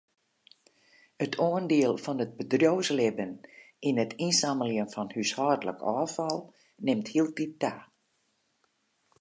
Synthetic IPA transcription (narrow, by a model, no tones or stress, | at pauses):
ətʰoəndiəlˠfɔnət̚bədrjowslɪbən | inətʰinsaməljənfɔnhyshɔrdlə̰kʰɔːfɔlˠ | nɪmthiəlˠtit̚taː